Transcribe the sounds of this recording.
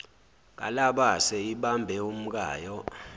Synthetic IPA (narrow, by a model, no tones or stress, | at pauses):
k̬ʼa̰laɓasɛiɓambʱɛum̩k̬ʼa̰ːjɔ